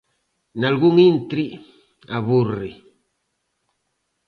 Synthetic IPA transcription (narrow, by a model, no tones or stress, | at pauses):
nalɣuŋintɾi | aβurːi